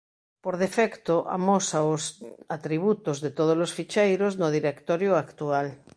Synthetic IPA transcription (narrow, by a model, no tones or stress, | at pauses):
poɾðefɛkt̪oʔa̰mosaosat̪ɾiβ̞ut̪ozðet̪oð̞olosfit͡ʃejɾoznoðiɾekt̪oɾjoakt̪ual